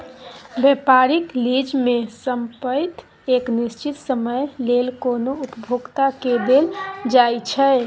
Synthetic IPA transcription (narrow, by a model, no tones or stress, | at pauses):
bɛpaɾiklid͡ʒmesəmpət̪ | eknist͡ʃit̪səməjlelkonoupəbʱoɡt̪aked̪eld͡ʒajt͡ʃʰɛ